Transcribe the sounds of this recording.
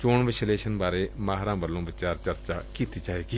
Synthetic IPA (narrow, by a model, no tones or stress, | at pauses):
t͡ʃoːɳʋeʃleːʃənbaːɾeːmaːɦɾãːbəlːõːʋɪt͡ʃaːɾt͡ʃəɾt͡ʃa̰ːkiːt̪iːd͡ʒaːeːɡiː